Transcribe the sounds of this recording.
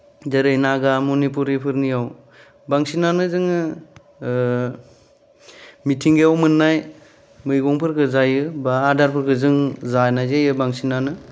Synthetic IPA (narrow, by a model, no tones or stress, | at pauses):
daɾɯjnaɡamunip̬uɾipʰɯɾnijaw | baŋsinanɯzɯŋɯ | mitʰiŋɡejawmɯnːaj | mɯjɡɔŋpʰɯɾkʰɯzajɯbaːdaɾpʰɯɾkʰɯzɯŋzanajzejɯbaŋsinanɯ